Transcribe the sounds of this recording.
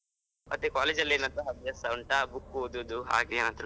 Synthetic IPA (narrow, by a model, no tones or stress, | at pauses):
mʔɐ̰t̪ːekaːled͡ʒɐlːeːnɐnt̪ɐɦɐbjɐsɐwɳʈabukːod̪ud̪uɦa̰ːɡeːnant̪ɾ